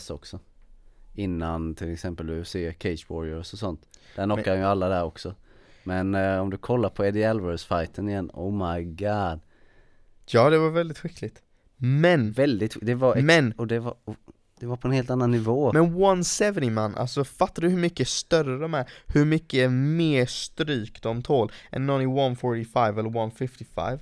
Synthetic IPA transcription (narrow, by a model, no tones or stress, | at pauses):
sɔksɔ | ɪnːant̪ʰɪlɛksɛmpəld̪ɵseːkʰɛɪsbɔɾəɾɔsɔsɔnt̪d̪̥æɾnɔkːad̪ɛnjəalːad̪æɾɔksɔmɛnɔmd̪ɵkʰɔlːaɾpʰɔɛd̪ɪɛlvəɾsfajt̪ənɪjɛnːɔ̰ːmaɪɡɑːd̪ | jɑːd̪ɛvaɾvɛld̪ɪt̪ɧɪkʰːlɪɡt̪ | mɛnvɛld̪ɪt̪d̪ɛvaɾmɛnɔd̪ɛvaɔ | d̪̥ɛvaɾpʰɔɛnheːlt̪anːanːɪvoːmɛnwansɛvənɪmanːʔa̰lsɔfat̪ːaɖɵɦɵɾmʏkːəst̪œɾəd̪ɔmæɾhɵɾmʏkːəmeːʂt̪ɾyːkd̪ɔmt̪ʰoːlʔɛ̰nːɔnɪwanfɔʈɪfaɪvɛlːəwanfɪft̪ɪfa̰ɪv